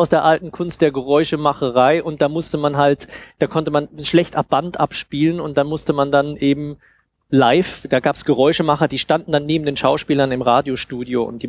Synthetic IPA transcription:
aʊsd̥eːɐʔaltn̩kʰʊnst̚d̥eːɐɡəʁɔʏʃəmaχəʁ̞aɪʔʊnt̚d̥aːmʊstəmanɦaltd̥aːkʰɔntəmanʃlɛçtʔap̚b̥antʔa̰pʃpiːlənʊnt̚d̥amʊstəmandanʔeːbm̩ | laɪfd̥aːɡaːpsɡ̥əʁɔʏʃəmaχɐd̥iːʃtandn̩danːeːbm̩deːnʃaʊʃpiːlɐnɪmʁaːdjoʃtuːdjoːʊ̰ntd̥iː

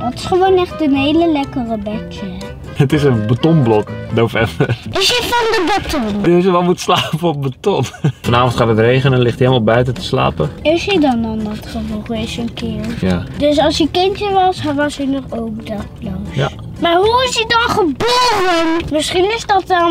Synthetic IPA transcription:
dɔtɪ̥sχəʋoːnɛχtənɦeːləlɛkərəbɛkʰjə | ətɪsənbatɔnblɔknofɛmbərɪsifɔndəbatondəsjəʋɛlˠmutslaːpəɔp̚batɔnfɔnaːvɔ̃ntχaːtətrejχənənlɪχthelˠmalˠbœɥtətə̥sla̰ːpəɪsidɔnɔndɔtχəfoxəɪsənkɪərjadøs̬ɑlˠsjəkɪntjəʋɑsɦʋɔsinɔχowkdɔtblosja | marɦuɪsidɔnχəboːrənmɪsχinɪsdɔt̚ɔ

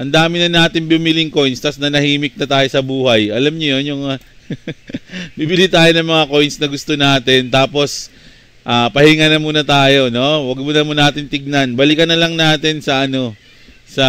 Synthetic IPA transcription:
ʔɐnd̪aːmɪnɐnaːt̪ɪnbumɪlɪŋko̞jnst̪ɐsnɐnɐhiːmɪk̚nɐt̪aːjo̞sɐbuːhɐjʔɐlamɲojonjʊŋ | bibɪlit̪aːjo̞nɐŋmɐŋako̞jnsnɐɡʊst̪o̞naːt̪ɪnt̪aːpo̞s | ʔaːpɐhɪŋanɐmuːnɐt̪aːjo̞no̞wɐɡmʊnɐmʊnaːt̪ɪnt̪ɪɡ̚nɐnbɐlɪkɐnːɐlɐŋnaːt̪ɪnsɐʔɐno̞ | sɐ

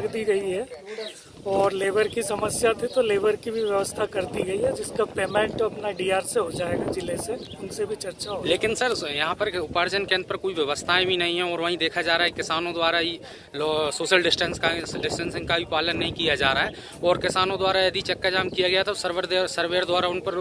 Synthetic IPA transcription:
ɐɡd̪iɡɐiɦɛ | ɔːɾleːbəɾkisɐməsjat̪ʰit̪oleːbəɾkibʱiʋjɐʋəst̪ʰakɐɾd̪iɡɐiɦɛd͡ʒɪskapeːmẽɳʈɐpnaɖiaːɾseɦod͡ʒaːeɡad͡ʒɪleseʊnsebʱit͡ʃɐɾt͡ʃaɦoleːkɪnsəɾjɐɦãpɐɾʊpaːɾd͡ʒənkẽənd̪̚pɐɾkuiʋjɐʋəst̪ʰaẽbʱinɐɦĩɦɛ̃ɔːɾʋɐɦĩd̪eːkʰad͡ʒaːɾaːɦɛkɪsaːnõd̪waːɾaɦi | lɔsoːʃəlɖɪsʈə̃nskaɖɪsʈə̃nsɪ̃ŋkabʱipaːlənːɐɦĩkijad͡ʒaːɾaɦɛː | ɔːɾkɪsaːnõd̪waːɾajɐd̪ʱit͡ʃɐkːad͡ʒaːmkijaɡɐjat̪ʰasəɾʋəɾd̪esəɾʋeːɾd̪waːɾaʊnpɐɾ

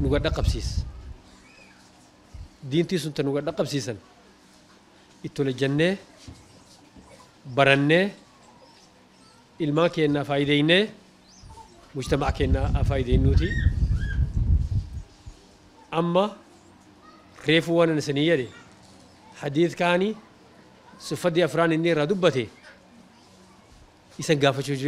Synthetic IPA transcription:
nʊɡɐɗːɐqʼɐbsiːs | d̪iːnt̪iːs̬ʊnt̪ɐnʊɡɐɗːɐqʼɐbsiːsɐn | ɪt̪ːɔlɛd͡ʒːɐnːeː | bɐɾɐnːeː | ɪlmaːŋke̞ːnːaːfaːjɪd̪ejnːeː | mʊʃt̪ɐmaʔkeːnːaɐfaːjɪd̪eːnːuːt̪ɪ | ɐmːɐ | re̞ːfuːwɐnɐnɐsɐniːjɛᶑɛ | ħɐd̪iːθkaːnɪ | sʊfːɐd̪iɐfɾaːnɪnːɪɪrːaːd̪ʊbːɐt̪ɛ | ɪsɐŋɡaːfɐt͡ʃːuːd͡ʒɪɾ

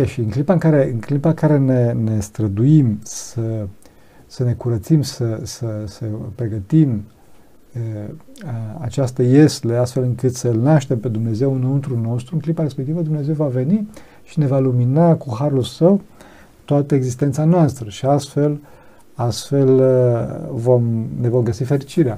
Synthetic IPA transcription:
eʃiɨŋklipaɨŋkaɾe̞ɨŋklipakaɾe̞nene̞st̪ɾəd̪uimsə | səne̞kuɾət̪simsəsəsəpɾe̞ɡət̪im | əəa̰t͡ʃast̪əje̞sleast̪fe̞lɨŋkɨt̪səlnaʃt̪e̞mpe̞d̪umne̞ze̞wɨnunt̪ɾuno̞st̪ɾuɨŋklipaɾespek̚t̪ivəd̪umne̞ze̞wvave̞ni | ʃine̞valuminakuɦaɾulsəw | t̪oat̪əeɡzist̪ent̪sanoast̪ɾəʃiast̪fe̞l | ast̪fe̞l | vo̞mne̞vo̞mɡəsifeɾit͡ʃiɾea

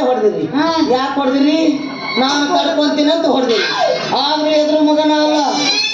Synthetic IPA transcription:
ɦɔɽd̪iɾiɦajaːkɦoɽd̪iɾi | naːnuk̪ɐɾkont̪inɐnt̪uɦɔɽd̪iɾiaːd̪ɾued̪ɾuːmuɡɐnaːɐlːɐ

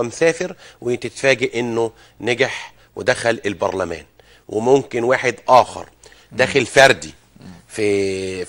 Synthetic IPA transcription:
msæːfɪɾwɪt̪et̪fæːɡæʔʔenːo | næɡaħ | wɪd̪æxælelbɑ̰ɾˤlæmæ̰ːn | wʔɪ̰momkɪnwaːħed̪ʔɑːxɑ̰ɾˤ | d̪æːxelfɑɾˤd̪i | fi

